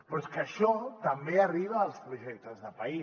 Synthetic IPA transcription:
pɾoskəʃɔt̪ɐmbeariβ̞aːlˠspɾuʒɛk̚t̪əzðəpai

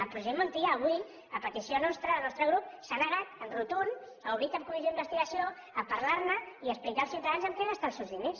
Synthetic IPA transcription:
əlpɾuʒemunt̪iaːβ̞uj | əpət̪isjonɔst̪ɾəəlˠnɔst̪ɾəɣ̞ɾup̚sanəɣat̪ənrut̪un | auβɾit̪əmkumiz̬oðimbəst̪iɣəsio | əpəɾlaɾməiəsplikaːlˠsiwt̪əðanzəmkeɣast̪alˠsewzðines

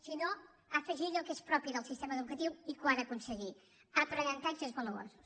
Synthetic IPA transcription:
sino | afəʒiɾəlˠkespɾɔpiðəlˠsist̪eməðəðukət̪iwikuanəkunsəɣi | ap̪ɾəɣant̪aɲʒəzβələβo̰su

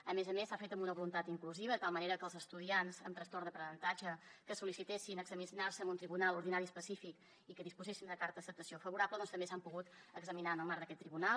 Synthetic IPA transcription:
əmezəmesːafet̪əmbunəβulunt̪at̪iŋkluziβəðət̪alˠməneɾəkəlˠzəst̪uðianzəmt̪ɾəst̪oɾd̪əpɾənənt̪ad͡ʒəkəsulisit̪esinəɡzəminarsəmunt̪ɾiβunalˠuɾðinaɾiəspəsifik | ikəðispuzesinəkaɾt̪əðəsəp̚t̪əsiofəβuɾapləðɔnt̪əmbesampuɣut̪əɡzəminaənəlˠmaɾðəkɛt̪ːɾiβunal

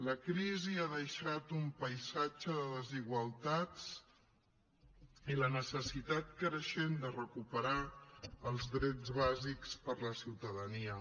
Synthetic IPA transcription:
ləkɾiziaðəʃat̪umpəjzad͡ʒəðəðəziɣwəlˠt̪at͡s | ilənəsəsit̪at̪̚kɾəʃend̪ərəkupəɾaəlˠzðɾɛd͡zzβazikspəɾləsiwt̪əðəniə

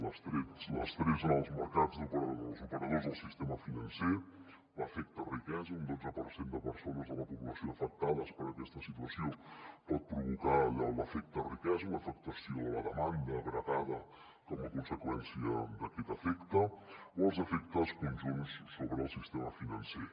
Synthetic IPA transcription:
ləst̪ɾeləst̪ɾezənəlˠzməɾkad͡zd̪upəɾəəlˠzupəɾəðozðəlˠsist̪eməfinənse | ləfɛk̚t̪ərikɛzəund̪od͡zəpəɾsend̪əpəɾsonəzðələpuβləsioəfək̚t̪aðəspəɾəkɛst̪əsit̪uəsiopɔt̪̚pɾuβ̞ukalələfɛk̚t̪ərikɛzələfək̚t̪əsioðələðəmand̪əːɣɾətaðə | kɔməkunsəkwɛnsiə̰d̪əkɛt̪əfɛkt̪əoəlˠzəfɛk̚t̪əskunʲʒunsːoβɾəːlˠsist̪eməfinənse

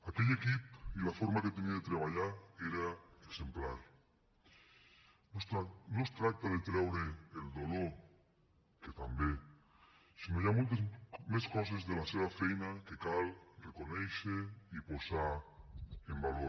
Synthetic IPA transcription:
akeʎekipilafoɾmaket̪eniaðet̪ɾeβ̞aʎaɾeɾaese̞mplaɾ | nost̪ɾanost̪ɾat̪aðet̪ɾawɾeeld̪oloɾ | ket̪ambe | sinoʝamult̪meskos̬ezðelaseβafejnakekalrrekonejʃeiposa | embalo

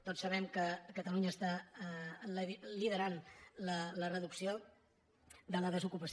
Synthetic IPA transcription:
t̪otsəβ̞ɛmkəkət̪əluɲəːst̪a | lliðəɾanlələrəðuksio | ðələðəzukupəs

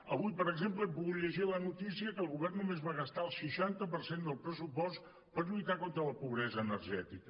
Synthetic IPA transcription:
əβujpəɾəɡzempləɛpuɣuʎəʒilənut̪isiəkəːlˠɣuβɛrnːumezβaɣəst̪aəlˠsəʃant̪əpəɾsend̪əlˠpɾəsupɔst̪ | pəɾʎuit̪akont̪ɾələpuβɾɛzəːnəɾʒɛt̪ikə

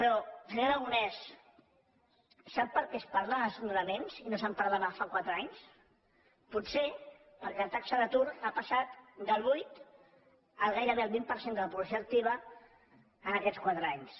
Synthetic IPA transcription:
pɾɔʒənaðəlɣunɛs | sapːəɾkɛspaɾlaəsinuɾəmenzinosampaɾlaβafakwat̪ɾəaɲs | putse | pəɾkɛlət̪aksəðət̪uɾapasat̪d̪əlˠβujt̪ | əlˠɣajɾəβeəlˠβimpəɾsend̪ələpuβləs̬joək̚t̪iβ̞ə | ənəkɛskwat̪ɾəaɲs

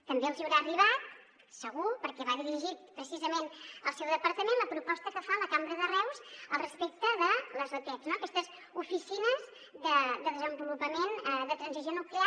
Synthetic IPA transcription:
t̪əmbeəlˠʒiwɾariβat̪̚ | səɣupəɾkɛβaðiɾiʒit̪pːɾəsizəmenəlˠsɛwðəpəɾt̪əmenləpɾupɔst̪əkəfaləkambɾəðərɛwzəlˠrəspek̚t̪əðələzβət̪ɛznoəkɛst̪əz | ufisinəz | ðəd̪əðəzəmbulupəmenəðət̪ɾənzizjonuklia

